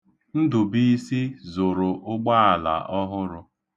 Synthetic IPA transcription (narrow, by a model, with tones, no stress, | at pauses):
n̩˦dʊ˨bi˦si˦zʊ˨ɾʊ˨ʔʊ˦ɡ͡ba˦a˨la̰˨ʔɔ˦ɦʊ˦ɾʊ˦